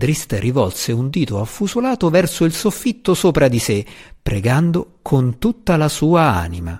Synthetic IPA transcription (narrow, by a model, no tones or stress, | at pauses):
d̪ɾist̪rivɔlseund̪iːt̪oafːuzolaːt̪ovɛrsoilsofːit̪ːosoːpɾad̪isepːɾeɡand̪okʰont̪ut̪ːalasuːaa̰ːnima̰